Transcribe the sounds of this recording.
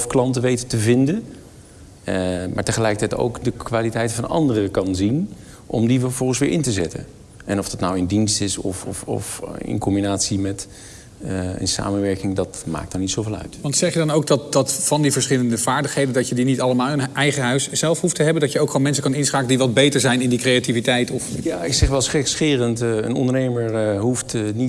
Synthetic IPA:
fklɑntəʋejtətəvɪndən | ma̰ːɹtəχəlɛjkətɛjto̰wkdəkʋaːlitɛjtəfɑnɑ̰ndərəəkɑnzin | ʔɔmdiʋvɔχəsʋɪːɹʔɪntəzɛtə̰n | ʔɛnɔvd̥ɑtnawɪndinstɪsɔ̰ffɔ̰fɪ̰nkɔmbinaːtsimɛt | ə̰nsa̰ːmənʋɛɹkɪŋdɑtma̰ːk̚tawnitsowveːlˠœ̰ɥtʋɑntsɛχjədɑnowɡ̚dɑt̚dɑtfɑndivəɹsχɪləndəv̥aːɹdəχɦejdəndɑcjədinitɑləmaːlˠənʔɛjχəɦœɥsz̥ɛlˠfhuftəɦɛbəndɑtjəowkχoːnmɛnsəkɑnɪnsχaːkəndiʋɑd̚bejtəɹzɛjnɪndikrejativitɛjtɔfjaːɪksɛχʋɛlˠsχɛksχɪːrəntə̰nɔ̰ndəɹnejməɹɦuftni

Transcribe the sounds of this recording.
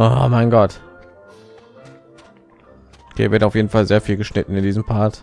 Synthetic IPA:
ʔoːmaɪnɡɔt | kḭɐvɪɐtaʊfjeːdn̩falzeːɐfiːlɡəʃnɪtn̩ɪndiːzəm̩pʰaɐt

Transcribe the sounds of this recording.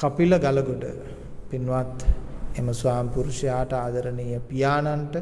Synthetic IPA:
kɐpilɐɡalɐɡoɖə̰ | pinʋat̪eməsuʋaːmipuɾuʃjaːʈɐaːd̪ɐɾənijəpijaːnanʈə

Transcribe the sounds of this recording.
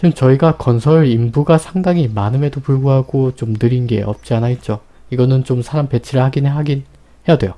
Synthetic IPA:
t͡ɕimt͡ɕʌiɡakʌnsʰʌɾɯɾimbuɡasʰaŋdaŋimanɯme̞dopuɭɡuɦaɡot͡ɕomnɯɾinɡe̞̰ʔʌ̰p̚t͡ɕ͈ianait̚t͡ɕ͈o | iɡʌnɯnt͡ɕomsʰaɾampe̞t͡ɕʰiɾɯɭhaɡineɦaɡin | hejadwe̞jo

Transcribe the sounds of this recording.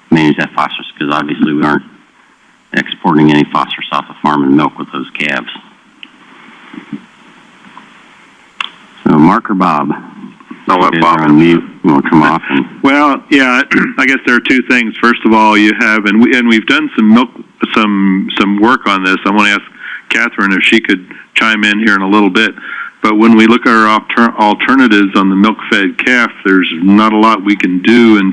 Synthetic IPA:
mæ̃ñɨd͡ʒðɨtfɑ̰stə˞skʰʌzɑbviɨsliwiɑ̃ɹnt̚ | ʔɛ̰kspʰɔɹɾɪ̃ŋɛnifɑ̰stə˞sɔfəfɑɹmə̃nmɪlˠkwəðoʊz̥kʰæbz̥ | soʊmɑɹkə˞bɑb̥ | awʌbɑ̃miõʊ̃nkʰʌ̃mɔfə̃mwɛlˠjæaɪɡɛsðə˞ːtʰʉθɪ̃ŋz̥fɜ˞stʌvɔlˠjɨɨvɨ̃nwiɨ̃nwivdʌ̃nsʌ̃mːɪlˠksʌ̃msʌ̃mwɜ˞kn̩ðɪsãɪwɑ̃ñɨæskkʰæθɹɨ̃nɨfʃikʰɨd̚t͡ʃʰãɪ̃mɪ̃nhiɹɨ̃nəlɪɾl̩ˠbɪt̚b̥ʌt̚wə̃nwilʊkɨɾə˞tʰl̩ˠtʰɜ˞nɨɾɪvzn̩ðəmɪlˠkfɛd̚kʰæfðə˞znəɾəlɔt̚wikɨ̃ndʉɨ̃n

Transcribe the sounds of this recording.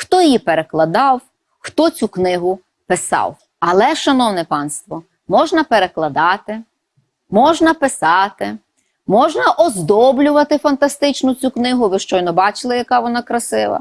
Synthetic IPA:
xt̪ɔjjipeɾeklˠɐd̪ɑw | xt̪ɔt͡sʲuknɪɦʊ | pɪsɑ̰w | ɐlˠɛʃɐnɔwnɛpɑnst̪ʋɔ | mɔʒnɐpeɾeklˠɐd̪ɑt̪ɪ | mɔʒnɐpɪsɑt̪ɪ | mɔʒnɐʔɔzd̪ɔblʲʊʋɐt̪ɪfɐnt̪ɐst̪ɪt͡ʃnɔt͡sʲuknɪɦʊʋɪʃt͡ʃɔjnɔbɑt͡ʃɪlˠɪjɐkɑʋɔnɑkɾɐsɪʋˠɐ̰

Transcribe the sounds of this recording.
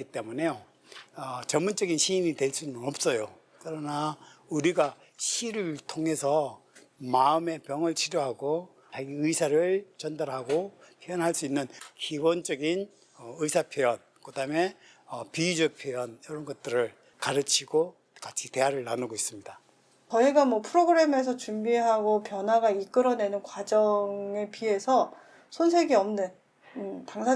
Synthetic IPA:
it͈e̞mune̞jo | ʌt͡ɕʌnmunt͡ɕ͈ʌɡinɕʰiːnitwe̞ɭs͈unɯnʌp̚s͈ʌjo | kɯɾʌnauɾiɡa | ɕʰiɾɯɭtʰoŋɦe̞sʰʌ | maɯme̞pjʌŋɯɭt͡ɕʰiɾjoɦaɡo | aɡiɯisʰaɾɯɭt͡ɕʌndaɾɦaɡopʰjejʌnɦaɭs͈uinːɯnkibont͡ɕʌɡin | ʌɯisʰapʰjojʌn | kɯdame̞ | ʌpid͡ʑɯk̚pʰjejʌnjʌɾʌnɡʌt̚t͈ɯɾɯɭ | kaɾɯt͡ɕʰiɡo | kat͡ɕʰite̞ɦaɾɯɭːanɯɡois͈ɯmɲida | t͡ɕʌiɡamwʌpʰɯɾoɡɯɾe̞me̞s̬ʰʌt͡ɕumbiɦaɡopjʌnɦwaɡaik͈ɯɾʌne̞nɯnkwad͡ʑʌŋe̞pie̞sʰʌ | sʰonsʰe̞ɡiʌmnɯn | ɯtaŋsʰa

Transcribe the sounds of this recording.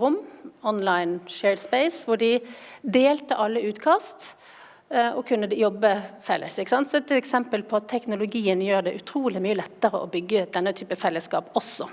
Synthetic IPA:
ʁʊmːɔnlɑɪnʃeːɖspɛɪsʋʊɖɪd̪eːlt̪əʔɑlːəʉːt̪kʰɑːst̪ | ɔkʰʉnːəd̪ɛjɔbːəfɛlːə̰sɪkːəsɑnt̪sɔɛt̪ɛksɛmpəlpʰɔɑt̪ʰːɛknʊlʊɡiːənjøːʁd̪ɛʔʉt̪ʰɾuːlɪmyːəlɛt̪ːəʁə̰ʔɔbʏɡːəd̪̥ɛnːət̪ʰyːpəfɛlːəskɑ̰ːpɔsːɔ

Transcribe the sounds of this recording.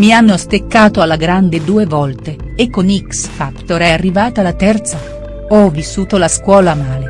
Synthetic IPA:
mianːost̪ekːaːt̪oalːaɡɾand̪ed̪uːevɔlt̪e | ekːoniksfakt̪oɾɛarːivaːt̪alat̪ɛrt̪sa | ɔvisːuːt̪olaskwɔːlamaːle

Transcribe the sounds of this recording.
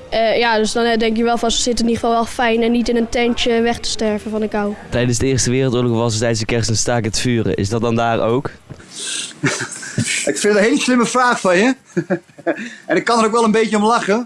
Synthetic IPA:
əjadøsdɔnɛdɛŋkjəʋɛlˠfɔnsəsɪtəniχfɔlˠʋɛlˠfɛjnɛnːitɪnəntɛntəʋɛχtə̥stɛɹvənfɔndəkawtɛjdənzdəɪːrstəʋɪːrəlˠtoːləɣʋɑsətɛjdənsdəkɛrstənstaːkətə̥fyːrə̰ʔɪ̰sdɑt̚dɑndaːrowk | ɪkfɪndəɦejləslɪməfraːχfɑnjə | ɛnɪkɑnəɾowkʋɛlˠənbejtəɔmlɑχə

